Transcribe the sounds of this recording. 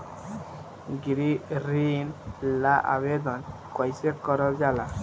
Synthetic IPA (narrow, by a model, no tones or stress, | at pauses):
ɡiɾiɾinlaʔa̰βed̪ɔnkɔjsekɔɾɔd͡ʒala